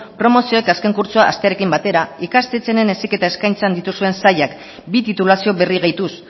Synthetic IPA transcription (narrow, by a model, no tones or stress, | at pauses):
pɾo̞mo̞sio̞ekaske̞ŋkuɾt͡soaʔa̰st̪e̞aɾe̞kimbat̪e̞ɾaikast̪e̞t͡sene̞ne̞sike̞t̪aeskajnt͡sand̪it̪usue̞nsajak | bit̪it̪ulasio̞βe̞riɣ̞ejt̪us